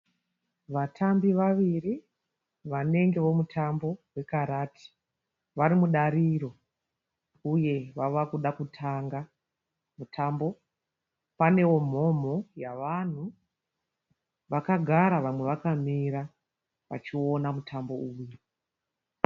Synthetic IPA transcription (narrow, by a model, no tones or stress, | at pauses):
ʋatʰambiʋaʋiri | ʋane̞ŋɡe̞ʋo̞mutʰambo̞we̞kaɾaːtʰi̥ | ʋaɾimuɗaɾiɾo̞ | uje̞ʋaʋakuɗakutʰaŋɡa | mutʰambo̞ | pane̞wo̞m̤o̞mo̞jaʋan̤u | ʋakaɡʱaɾaʋamweʋakam̤iɾa | ʋa̰t͡ʃio̞namutʰambo̞uːje